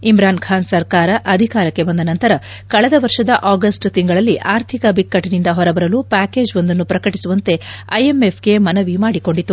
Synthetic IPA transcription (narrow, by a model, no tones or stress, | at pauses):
imɾaːnkʰaːnsɐɾkaːɾɐʔɐd̪ʱikaːɾɐkːe̞bɐnd̪ɐnɐnt̪ɐɾɐkɐɭɛd̪ɐʋɐɾʂɐd̪ɐʔaːɡɐsʈt̪iŋɡɐɭɐlːiʔaːɾt̪ʰikɐbikːɐʈːinind̪ɐɦɔɾɐbɐɾɐluːpaːke̞ːd͡ʒond̪ɐnːupɾɐkɐʈisuʋɐnt̪e̞ɐ̰jeme̞pʰɡe̞mɐnɐʋimaːɽiko̞ɳɖit̪ːu